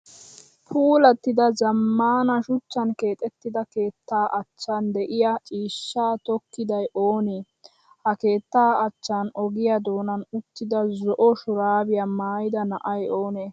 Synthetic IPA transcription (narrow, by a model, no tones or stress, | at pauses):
pʰuːlɐt̪ːɪd̪ɐzɐmːaːnɐʃʊt͡ʃːɐnke̞ːt̪ʼɛt̪ːɪd̪ɐke̞ːt̪ːaːʔɐt͡ʃːɐnd̪ɛʔɪjɐt͡ʃʼiːʃːaːt̪ɔkːɪd̪ɐjʔoːne | hɐke̞ːt̪ːaːɐt͡ʃːanɔɡɪjɐd̪oːnɐnʊt̪ːɪd̪ɐzɔʔɔʃʊɾaːbɪjamaːjɪd̪ɐnɐʔɐjoːneː